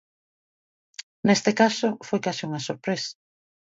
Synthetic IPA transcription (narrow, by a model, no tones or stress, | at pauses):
nest̪ɪkasʊfojkasɪuŋɐsoɾpɾesḁ